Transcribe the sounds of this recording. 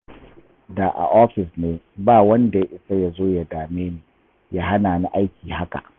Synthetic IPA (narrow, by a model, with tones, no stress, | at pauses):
da˨ʔa̰˨ʔɔː˦ɸɪ˨sneː˦ | baː˦˨wɐ˦nda˨ja˦ʔɪ˦sa˦ja˨zoː˦ja˨daː˨meː˦neː˨ | ja˦ɦa˦naː˨na˦ʔa˦jkʲiː˨ɦa˦ka̰˨ʔ